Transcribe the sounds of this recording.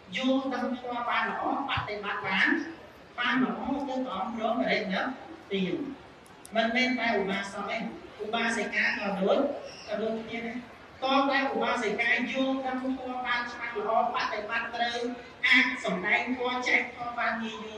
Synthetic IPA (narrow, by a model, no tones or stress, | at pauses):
jʊəlt̪əmpʰt̪ŏəlɓaːnləʔɑːpat̪ːeɓat̪̚ɓaːn | ɓaːnləʔɑːt̪ɨwk̪ʔɑmproːməɾənəm̚t̪iə | mɨnmɛːnt̪aɛʔuɓaːsɑʔeːʔuɓaːsakaːkɔɗoəc̚kɑɗoːc̚kʰniət̪a | kɔːt̪aɛʔuɓaːsakaːjʊəlt̪əmpʰt̪ŏəlɓaːnt͡ɕʰmaŋləʔɑːpat̪ːeɓat̪ːrəw | ʔaːsɑmɗaɛŋt̪ʰoət͡ɕaɛk̚t̪ʰoəlɓaːnŋiəjʋiə